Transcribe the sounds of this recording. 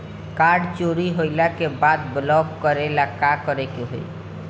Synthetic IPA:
kaɾɖt͡ʃoɾiɦoɪlakebad̪blɔbkəɾelakakəɾekeɦo̰i

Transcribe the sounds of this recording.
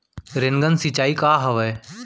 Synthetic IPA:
ɾeŋɡənsit͡ʃaːikaːɦəʋɛː

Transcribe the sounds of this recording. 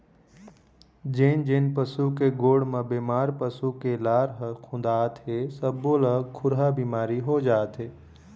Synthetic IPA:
d͡ʒeːnd͡ʒeːnpəsukeɡoːɽmẽbeːmaːɾpəsukelaːɾɦəkʰũnd̪aːt̪ɦesəbːolakʰʊɾɦabiːmaːɾiɦod͡ʒaːt̪ɦeː

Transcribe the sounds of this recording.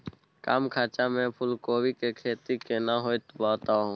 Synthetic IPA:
kaːmkʰaːt͡ʃamɛ̃pʰʊlkoːwikekʰeːt̪ikenaɦoːjt̪baːt̪aɦũː

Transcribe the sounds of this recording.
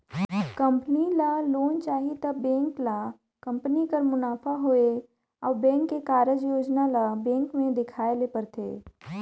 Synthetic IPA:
kɐ̃mpənilaloːnt͡ʃaːɦit̪əbɛ̃ːŋkla | kə̃mpənikəɾmʊnaːpʰaɦoːe | ɔːbɛ̃ːŋkːekaːɾəd͡ʒjoːd͡ʒnalabɛ̃ːŋkmẽd̪ɪkʰaːelepɐɾt̪ʰḛː

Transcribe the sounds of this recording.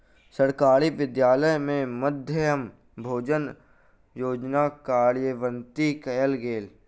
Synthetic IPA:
səɾkaːɾiʋɪd̪jaːləjmẽməd̪ʱjəəm | bʱoːd͡ʒən | joːd͡ʒnakaːɾjəʋə̃nt̪ikəjəlɡeːl

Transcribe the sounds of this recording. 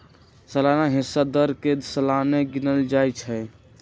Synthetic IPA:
səlanaɦisad̪əɾkesəlaneɡinəld͡ʒajt͡ʃʰɛ

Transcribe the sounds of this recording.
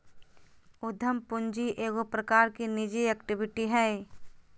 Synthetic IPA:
ʊd̪ʱəmpʊɲd͡ʒiʔeːɡopɾəkaːɾkinid͡ʒiɛkʈɪbɪʈiɦɛ

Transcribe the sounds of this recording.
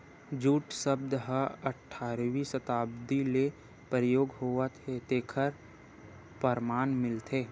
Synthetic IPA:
d͡ʒuːʈsəb̚d̪əɦəəʈʰːaːɾʋisət̪aːbd̪ile | pəɾjoːɡɦoːət̪et̪eːkʰəɾ | pəɾmaːnmɪlt̪ʰeː

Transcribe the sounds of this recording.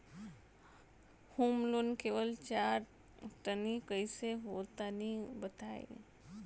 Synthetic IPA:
huːmlonkeːʋəlt͡ʃaːɾ | ʈənikəiseɦoːt̪anibət̪aːḭ

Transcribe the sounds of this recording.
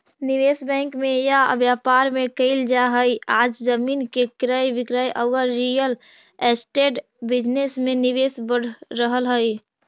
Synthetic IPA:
niʋesbɛ̃ŋkmẽja̰bjapaɾmẽkəɪld͡ʒaɦəjaːd͡ʒzəmiːnkekɾəjʋɪkɾəjʔəwəɾːijəl | esʈeʈ | bɪd͡ʒnesmẽnɪʋesbəɽ̤ɾəɦəlɦəɪ

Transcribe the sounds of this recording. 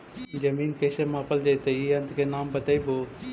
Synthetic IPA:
d͡ʒəmiːnkeːseːmãːpəld͡ʒait̪eiːɐnd̪keːnaːmbət̪əiːboː

